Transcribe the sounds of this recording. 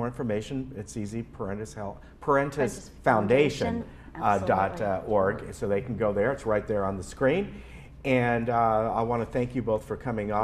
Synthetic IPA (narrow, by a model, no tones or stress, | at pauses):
ɔɹɪ̃ɱfə˞meɪʃɨ̃nɨtsizipʰə˞ɛ̃ntɨshɛlˠ | pʰə˞ɛ̃ntʰɨs | fãʊ̃ndeɪʃɨ̃n | dɑtɔɹɡsoʊðeɪkʰn̩ɡoʊðə˞ɨtsɹaɪt̪̚ðə˞ə̃nðəskɹĩn | ɨ̃naɪwɑ̃nɨθæ̃ŋkjɨboʊθfə˞kʰʌmɪ̃ŋə